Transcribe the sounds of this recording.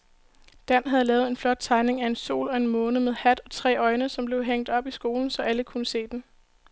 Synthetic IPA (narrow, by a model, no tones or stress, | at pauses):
d̥æn̰ɦæð̞̩ˠlɛːʊe̝nflɒ̽d̥̚t͡sʰɑ̈ɪne̝ŋæe̝nso̝̰ːlɒ̽e̝nmɔ̽ːnəmeð̞ˠhæd̥ɒ̽t͡sʰʁɛ̰ːɒ̽ɪnəsɒ̽mble̝ʊɦeŋ̰d̥ɒ̽b̥isɡ̥o̝ːln̩sɒ̽ʔæləkʰunəse̝̰ːd̥en